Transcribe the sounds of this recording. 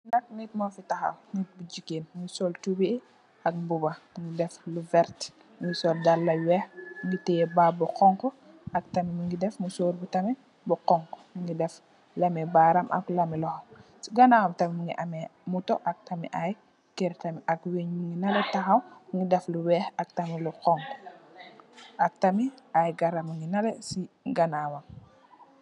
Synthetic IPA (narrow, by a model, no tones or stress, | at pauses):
nɐk̚nit̚mafitaxa̰wnit̚bud͡ʒikenmuŋɡisɔltubii | ɐk̚bubamuŋɡidɛfluvɛɾt | muŋɡisɔldalːɐwɛxuŋɡitɛbabuqɔŋkɔ | ɐk̚tɐmimuŋɡidɛfmusoːɾbutɐmɛ | buqɔŋkɔ̥muŋɡidɛf | lɐmɛbaɾamʔa̰klɐmilɔhamsiɡanawamtamimuŋɡiʔamɛmutɔʔak̚tamḭʔaj | keɾtamiʔakweɲmuŋɡinaletaɦawuŋɡidɛfluwɛːxak̚tamiluqɔŋkɔ | ak̚tamiajɡaɾamuŋɡinalesi | ɡanawam